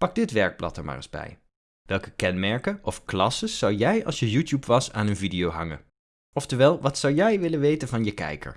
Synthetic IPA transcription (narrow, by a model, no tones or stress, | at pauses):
pɑɡ̚dɪtʋɛɹk̚plɑ̰təɹma̰ːrə̰zbɛ̰j | ʋɛlˠkə̥kɛnmɛɹkənʔɔfklɑsəsːɑwjɛjɑ̰lˠsjəjutjupʋɑsaːnənvidijowɦɑŋən | ɔftəɹʋɛːlˠʋɑtsɑwjɛjʋɪlənʋejtənvɑnjəkɛ̰jkə̰ɹ